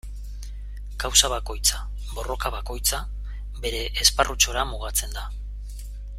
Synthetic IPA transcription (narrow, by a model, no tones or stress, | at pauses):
kawsaβako̞jt͡sa | bo̞ro̞kaβako̞jt͡sa | be̞ɾe̞ʔːsparʔut͡so̞ɾamuɣ̞at͡se̞nd̪a